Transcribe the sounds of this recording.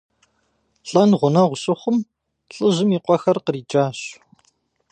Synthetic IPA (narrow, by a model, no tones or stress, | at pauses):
ɬʼɐnʁʷʊnɐʁʷʊɕʼɨχʷʊm | ɬʼɨʑɪmiːqʷɔxɐrqəriːd͡ʒʼaːɕ